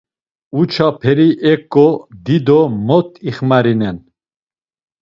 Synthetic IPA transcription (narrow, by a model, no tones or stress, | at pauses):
ut͡ʃʰapʰɛɾiʔɛkʼːɔd̪id̪ɔmɔt̪ʰiχmaɾinɛn